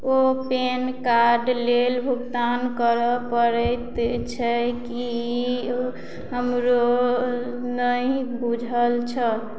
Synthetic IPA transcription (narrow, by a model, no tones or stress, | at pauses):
openkaɾɖlelbʱuɡd̪ankəɾəpəɾət̪t͡ʃʰəki | ɦəmɾo | nəibud͡ʒʱəlt͡ʃʰəl